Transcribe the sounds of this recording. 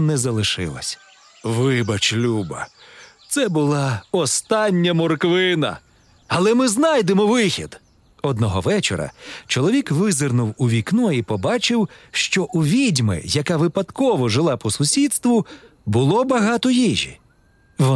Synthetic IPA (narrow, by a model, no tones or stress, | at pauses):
nɛzɐlˠɪʃɪ̰lˠɐ̰sʲ | ʋɪbɐt͡ʃlʲubɐ̰t̪sɛbʊlˠɑɔst̪ɑnʲːɐmɔrkʋɪnɐ̰ | ɐlˠɛmɪznɑjd̪emɔʋɪxʲid̪̥ | ɔd̪nɔɦɔʋɛt͡ʃɔ̰ɾɐ̰t͡ʃɔlˠɔʋʲikʋɪzernʊwuʋʲiknɔipɔbɑt͡ʃɪwʃt͡ʃɔʔuʋʲidʲmɪ̰jɐkɑʋɪpɐt̪kɔʋɔʒɪlˠɑpɔsʊsʲid̪st̪ʋʊbʊlˠɔbɐɦɑt̪ɔjiʒʲḭ | ʋɔ